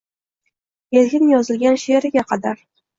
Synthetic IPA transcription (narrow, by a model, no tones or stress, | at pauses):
jelɡʲɪnjɒzɪlɡʲanʃeɾɪɡʲaqʰɑd̪aɾ